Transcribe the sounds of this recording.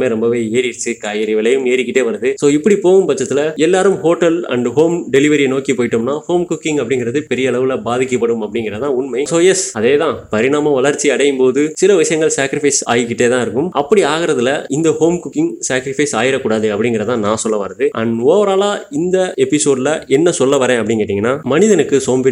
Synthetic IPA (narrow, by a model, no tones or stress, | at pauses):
meːɾɔmbɐʋeːeːɾɪɪt͡ʃːɯkaːjɪɾɪʋɪlɐjɯmeːɾɪkːɪʈːeːʋɐɾɐðɯsoːɪpːɐɽipoːɣɯmpɐt͡ʃːɐt̪ːɪlɐɛlːaːɾɯmɦoːʈːɐlɐ̰ɳɖɦoːmɖɛlɪʋɐɾɪjɐnoːkipoːjɪʈːɯmnaːhoːmkʊkːɪ̃ŋɐpːɐɽɪŋɡɪɾɐðɯpɛɾɪjɐːɭɐʋɯlɐbaːðɪkːɐpːɐɽɯmɐpːɐɽɪŋɡɪɾɐt̪ãːʊɳmɐɪsoːjɛsɐðeːt̪ãːpɐɾɪɳaːmɐʋɐɭɐɾt͡ʃːiɐɽɐjɯmpoːðɯsɪlɐʋɪʂɐjɐŋɡɐɭsaːkɪɾɪfɐɪsa̰ːjɯkːɪʈːeːt̪ãːɪɾɯkːɯmʔɐpːɐɽiaːɣɪɾɐðɯlɐɪnd̪ɐhoːmkʊkːɪŋsaːkɾɪfɐɪsaːjɪɾɐkuːɽaːðɯɐpːɐɽɪŋɡɪɾɐt̪ãːnãːsɔlːɐʋaːɾɐðɯʔɐ̰noːɐɾaːlaːɪnd̪ɐɛpːɪsoːɖlɐʔɛnːɐsɔlːɐʋɐɾẽːɐpːɐɽɪŋɡeːʈːɪːŋɡɐnːaːmɐnɪðɐnɯkːɯsoːmbɪ